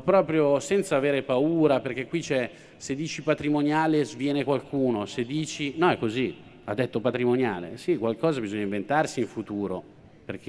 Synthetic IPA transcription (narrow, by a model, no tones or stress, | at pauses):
pɾɔːpɾjosɛnt̪saːveːɾepauːɾaperk̟ekwit͡ʃɛ | sed̪ːiːt͡ʃipat̪ɾimonjaːlezvjɛːnekwalkʰuːnosed̪ːiːt͡ʃinɔɛkːozi | ad̪ːet̪ːopat̪ɾimonjaːlḛsikwalkɔːzabizɔɲːaĩɱvent̪arsiːɱfut̪uːɾo | perk̟ʰe